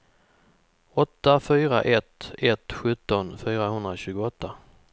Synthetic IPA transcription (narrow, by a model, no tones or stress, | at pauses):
ɔt̪ːafyːɾa̰ʔɛt̪ɛt̪ɧɵt̪ːɔnfyːɾaɦɵnd̪ɾaɕʉ̟ːɡʊɔt̪ːa